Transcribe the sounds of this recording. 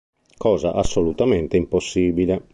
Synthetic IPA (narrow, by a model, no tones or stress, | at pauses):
kɔːzaʔasːolut̪ament̪eimposːiːbile